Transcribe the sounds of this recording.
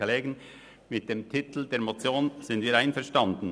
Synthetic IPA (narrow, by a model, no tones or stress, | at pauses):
leːɡən | mɪt̚d̥eːmtʰɪt̪l̩deːɐmot͡sjoːnz̥ɪndviːɾaɪnfɛɐʁʃtɑndn̩